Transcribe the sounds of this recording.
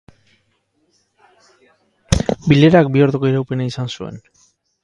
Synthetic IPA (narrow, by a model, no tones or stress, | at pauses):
bile̞ɾak̚bio̞ɾðuko̞iɾawpe̞naisansue̞̰n